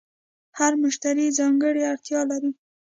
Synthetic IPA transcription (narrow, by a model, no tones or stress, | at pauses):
haɾmʊʃt̪aɾizɑŋɡəɽeaɽt̪jɑlaɾi